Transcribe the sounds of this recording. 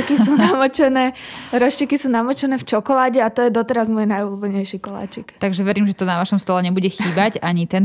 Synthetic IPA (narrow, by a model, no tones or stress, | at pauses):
kissuːnamɔt͡ʃɛnɛːɾɔʃikisuːnamɔt͡ʃɛnɛːft͡ʃɔkɔlaːɟɛat̪ɔjɛd̪ɔt̪ɛɾazmɔjɛnajulubɛɲɛjʃiːkɔla̰ːt͡ʃɛkt̪aɡʒɛʋɛɾiːmʒɛt̪ɔnaʋaʃɔmst̪ɔlɛɲɛbuɟɛxiːbaɟaɲit̪ɛn